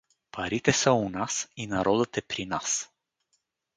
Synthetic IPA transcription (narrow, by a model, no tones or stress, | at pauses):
pʰaɾit̪esəwunasinaɾod̪ət̪epɾinas